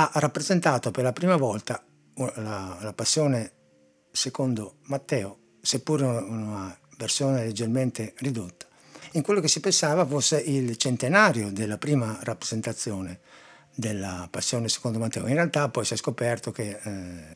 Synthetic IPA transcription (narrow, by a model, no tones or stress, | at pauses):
arapːɾezent̪aːt̪operlapɾiːmavɔlt̪a | lalapasːjɔːne | sekond̪omat̪ːɛːo | sepːuːɾeunaversjoːneled͡ʒːerment̪erid̪ot̪ːḁ | iŋkwelːokesːipensaːvafosːeʔilt͡ʃent̪enaːɾjod̪elːapɾiːmarapːɾezent̪at̪sːjoːne | d̪elːapasːjoːnese̥kond̪omat̪ːɛːo̰inrealt̪apːɔjsiɛskopɛrt̪ok̟e